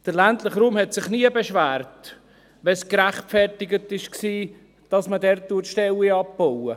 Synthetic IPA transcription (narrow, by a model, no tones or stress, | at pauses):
d̥əlæntləχɾuːmhɛtsɪχniəbeʃvæːɾt | ʋɛskɾæχtfɛrtɪɡətɪʃksiː | d̥ɑsmədɛɾtːutʃtɛliɑppowə